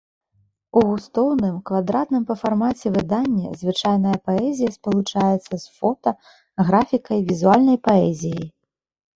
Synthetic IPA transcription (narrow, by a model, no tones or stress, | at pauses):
uust̪ɔwnɨmkvad̪ɾat̪nɨmpɐfarmat͡sʲɛvɨd̪anʲːɐ̰zvɨt͡ʂajnɐjɐpaɛzʲijɐspɐlˠut͡ʂajɛt̪sːɐsfɔt̪ɐ | ɣɾafʲikɐjvʲizualʲnɐjpaɛzʲijɐj